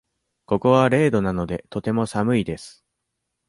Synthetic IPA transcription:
ko̞ko̞βaɾe̞ːd̪o̞nano̞d̪e̞t̪o̞t̪e̞mo̞samɯ̟id̪e̞sɨ̥

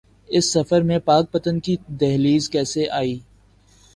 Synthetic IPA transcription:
ɪsːɐfəɾmẽpaːk̚pɐt̪ənkid̪ɛɦliːzkɛːseʔaːiː

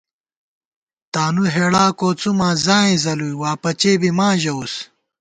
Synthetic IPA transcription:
t̪aːnuɦeːɽaːkoːt͡sumãːzãːẽzɐluiwaːpɐt͡ɕeːbimaːʑɐus

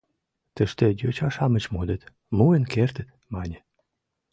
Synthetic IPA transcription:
t̪ə̆ʃt̪ĕjøt͡ɕɑʃɑmə̆t͡ɕmod̪et̪ | muənkert̪ə̆t̪ | mɑnʲə

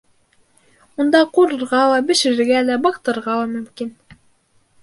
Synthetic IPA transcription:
und̪ɑquɾɤ̆ɾʁɑlˠɑbɘ̆ʃɘ̆ɾɘ̆ɾɡælæbɑqt̪ɤ̆ɾʁɑlˠɑmɵ̆mkin

